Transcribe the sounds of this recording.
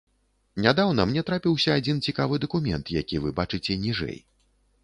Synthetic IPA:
nʲad̪awnɐmnʲɛt̪ɾapʲiwsʲɐːd͡zʲint͡sʲikavɨd̪ɐkumʲɛ̰nt̪jakʲivɨbat͡ʂɨt͡sʲɛnʲiʐɛ̰j

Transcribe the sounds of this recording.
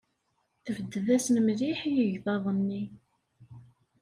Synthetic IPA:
θəvəd̪ːəðæsənəmðiħjəʝðɑðˤənːi

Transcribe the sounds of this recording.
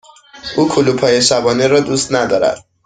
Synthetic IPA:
ukʰulupʰɒjesabɔneɾɔd̪ust̪nad̪ɒɾa̰t̪̚

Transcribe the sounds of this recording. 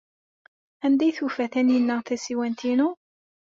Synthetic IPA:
ænd̪æjθufæθænjənːæθæsiwænt̪inu

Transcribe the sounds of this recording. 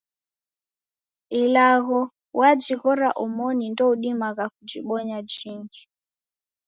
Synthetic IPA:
ilaɣɔ | wad͡ʒiɣɔɾaʔɔmɔnindɔuɗimaɣakud͡ʒiɓɔɲad͡ʒiŋɡi

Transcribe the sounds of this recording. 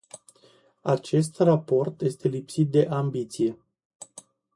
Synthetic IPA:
at͡ʃe̞s̬t̪rapo̞rt̪je̞st̪e̞lipsit̪̚d̪e̞ʔambit̪sije̞

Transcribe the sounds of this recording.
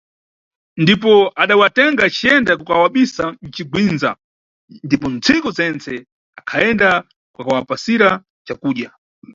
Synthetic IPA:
ndip̬ɔaɗawatɛŋɡat͡ʃiɛndakukawaɓisan̩t͡ʃiɡwinza̰ | ndipɔnt͡sʰikɔzɛnt͡sɛ | akʰaɛnda | kwakawapasiɾa | t͡ʃakuːɗja

